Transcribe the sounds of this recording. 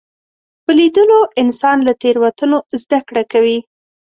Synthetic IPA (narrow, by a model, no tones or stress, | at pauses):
pəlid̪əloɪnsɑnlat̪eɾwat̪ənozd̪akɽakawi